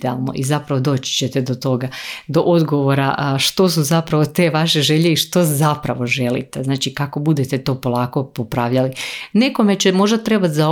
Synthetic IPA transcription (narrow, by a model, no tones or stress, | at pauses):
d̪ea̰lˠno̰ʔizapɾaʋod̪o̞ːt͡ɕi̥t͡ɕet̪ed̪o̞t̪o̞ɡad̪o̞ʔo̞d̪ɡo̞ʋo̞ɾaʔʃt̪o̞s̬uzapɾaʋo̞t̪e̞ːʋaʃeʒeʎe̞iʃt̪o̞zapɾa̰ʋo̞ʒe̞lḭt̪eznaːt͡ʃikako̞bud̪et̪et̪o̞ːpo̞lˠaːko̞popɾaːʋʎaline̞ko̞me̞t͡ɕemo̞ʒd̪at̪ːɾe̞bat̪za